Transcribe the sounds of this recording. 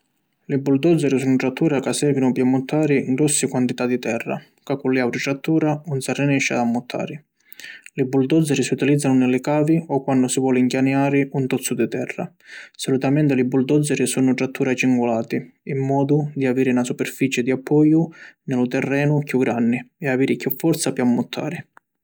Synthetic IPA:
lɪbuld̪ɔd̪zːɛɾisuːnʊʈ̪ɾat̪ʰːuːɾakasɛːvinʊpjamːʊt̪ʰːaːɾɪŋɡɾɔsːɪkwant̪it̪ad̪it̪ɛrːa̰ | kakːulɪawɾiʈ̪ɾat̪ːuːɾaunsarːɛnɛʃːa̰d̪amːʊt̪ʰːa̰ːɾɪ | lɪbuld̪ɔzːɛɾisiut̪ilid̪zːanʊnɪlɪkaːviɔkwanːʊsivwɔːliŋkjanjaːɾɪʔunt̪ɔt̪sːʊd̪it̪ɛrːa̰ | sɔlut̪amɛnt̪ɪlɪbuld̪ɔd̪zɛɾisunʊʈɾat̪ːuːɾat͡ʃiŋɡulaːt̪iimːɔːd̪ʊd̪iaviːɾɪnasupɛrfit͡ʃɪd̪iapʰːɔjːʊnɪlʊt̪ɛrːɛːnʊkjuɡɾanːɪɛaviːɾɪkjufːɔɾt̪sapjamːʊt̪ʰːa̰ːɾɪ

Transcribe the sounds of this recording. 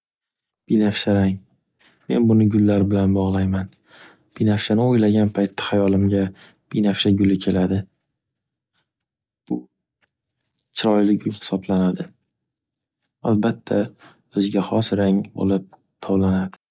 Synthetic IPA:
b̥inafʃaɾaŋ | me̞nbʊnɪɡʊlːaɾbɪlanbɒʁlˠajman | b̥inafʃanɪojlaɡʲanpʰajt̪ʰːḁhajɒlɪmɡʲa | b̥inafʃaɡʊlɪkʲʰe̞lad̪ɪ | b̥ʊ | t͡ʃʰɪɾɒjlɪɡʲʊlˠhɪ̥sɒblanad̪ɪ | albat̪ʰːa | ɵzɡʲahɒsɾaŋbo̰lˠɪp̚ | t̪ʰɒwlanad̪ɪ

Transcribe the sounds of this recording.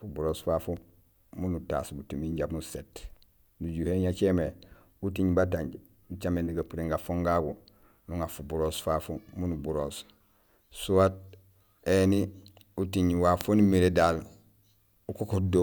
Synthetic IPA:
fubuɾoːsfafu | munuta̰ːsbutimiɲɟabnuset | nuɟuheɲat͡ʃeme | utiɲbatãɲɟ | ut͡ʃamendiɡapuɾeŋɡafoŋɡaɡu | nuŋafubuɾosfafumunubuɾoːs | suwat̚ | eni | utiɲwafonimiɾedal | ukokodo

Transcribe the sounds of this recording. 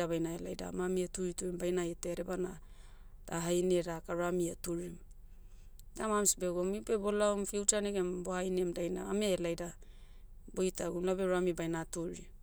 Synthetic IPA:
aβajnaela̰jda̰mamiatuɾituɾimbajnajeteɾebana | d̥aɦajneɾakaɾamiatuɾim | damamsibeɡomibe̞bo̞laumfiwt͡ʃaneɡembohajnemdajnaameelajda | bojtaɡumlabeɾamibajnatuɾi

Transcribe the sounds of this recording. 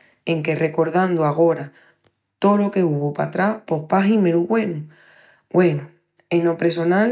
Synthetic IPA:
e̞ŋke̞re̞ko̞ɾðãnd̪oaɣ̞o̞ɾa | t̪o̞lo̞ke̞uβopat̪ɾahpo̞hpaɦime̞ɾuɣwe̞nu | ɡwe̞nu | enopɾes̬o̞nal

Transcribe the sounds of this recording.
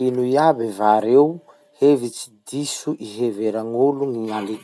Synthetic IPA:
inuiabivaɾew | hevit͡si̥d̪isuʔiɦeveɾaŋuluŋiŋali

